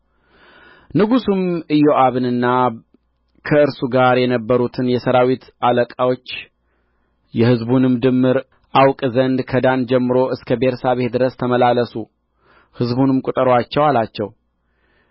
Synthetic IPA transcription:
nɨɡusumɨjoʔaβɨnɨnːa | kʰəɨɾsuɡaɾjɛnəbːəɾut̪ʰɨnjɛsəɾawit̪ʔaləkʼawo̞t͡ʃː | jɛhɨzbunɨmd̪ɨmːɨɾ | ʔawkʼzənd̪kʰəd̪and͡ʒɛmːɨɾo̞ʔɨskʰəbeɾsaβe̞t̪̚d̪ɨɾəst̪ʰəməlaləsu | hɨzbunɨmkʼut̪ʼəɾowat͡ʃːɛwalat͡ʃːɛw

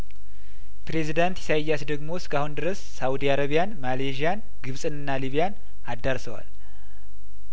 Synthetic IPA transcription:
pɾe̞zid̪ant̪ʰi̥sajasd̪əɡmo̞skahund̪ɨɾəsːawud̪iaɾaβijanmaleʒijan | ɡɨβsʼɨnɨnːaliβijan | ad̪ːaɾsəwa̰l

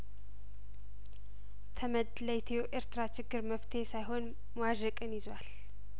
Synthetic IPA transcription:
t̪ʰəməd̪ləjt̪ʰeoʔeɾt̪ɨɾat͡ʃɪɡːɨɾməft̪ʰe̞sajɦo̞n | mwaʒəkʼɨnjɪzwal

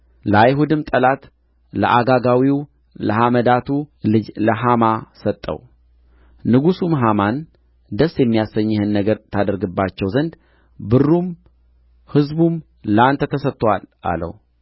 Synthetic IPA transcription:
ləajɦud̪ɨmt̪ʼəlat̪ | lə̰ʔaɡaɡawiw | ləɦaməd̪at̪ʰuɨd͡ʒləɦamasət̪ʼːə̰w | nɨɡusumɦaman | d̪əsːjɛmːijasəɲːɪhɨnːəɡəɾt̪ʰad̪əɾɡɨbːat͡ʃːɛwzənd̪ | bɨrːum | hɨzbum | lant̪ʰət̪ʰəsət̪ʼːwalʔa̰lə̰wu

